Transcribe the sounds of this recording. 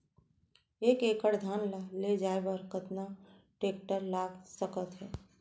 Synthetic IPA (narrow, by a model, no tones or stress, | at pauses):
eːkeːkəɽd̪ʱaːnlaled͡ʒaːebəɾkət̪na | ʈeːk̚ʈəɾlaːɡsəkət̪ɦɛː